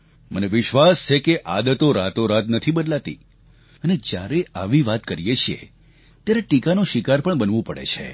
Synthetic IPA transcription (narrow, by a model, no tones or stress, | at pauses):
məneʋɪʃʋast͡ʃʰekeʔad̪ət̪oɾa̰t̪oɾat̪nət̪ʰibəd̪lat̪ḭ | əned͡ʒja̰ɾeaʋiʋat̪kəɾijet͡ʃʰijḛ | t̪jaɾeʈikanoʃɪkaɾpəɳbənʋũpəɽḛt͡ʃʰḛ